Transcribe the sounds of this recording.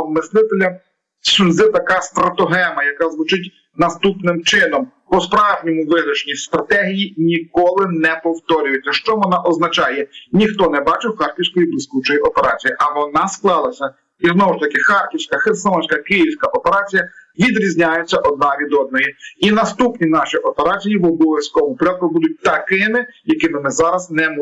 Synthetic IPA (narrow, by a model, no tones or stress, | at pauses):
mɪslˠɪt̪elʲɐ | suzɪt̪ɐkɑst̪ɾɐt̪ɔɦɛmɐjɐkɑzʋʊt͡ʃɪtʲ | nɐst̪upnɪmt͡ʃɪnɔm | pɔspɾɑʒnʲɔmʊʋɪɦɾʲɐt͡ʃnʲist̪ɾɐt̪ɛɦʲijinʲikɔlˠɪnɛpɔwt̪ɔɾʲʊjʊtʲɐʃt͡ʃɔʋɔnɑʔɔznɐt͡ʃɑjɛnʲixt̪ɔnɛbɑt͡ʃɪwxɑrkʲiwsʲkɔjiblˠisʲkut͡ʃɔjiʔɔpeɾɑ̰t͡sʲijiʔɐʋɔnɑsklˠɑlˠɐsʲɐ | iznɔʋɔʃt̪ɐkɪxɑrkʲiwsʲkɐxensɐɔnʲsʲkɐkɪjiwsʲkɐʔɔpeɾɑt͡sʲijɐʋʲid̪ɾʲizʲnʲajʊt͡sʲːɐʔɔd̪̚nɑʋʲid̪ɔd̪nɔjiinɐst̪upnʲinɑʃiʔɔpeɾɑt͡sʲijiʋɔbɔʋʲɐsʲkɔmʊpɾʲɔt̪̚kʊbud̪ʊt̚ʲt̪ɐkɪmɪjɐkɪmɪmɪzɑɾɐznɛm